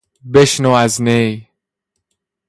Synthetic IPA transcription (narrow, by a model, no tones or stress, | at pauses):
beʃnoaznej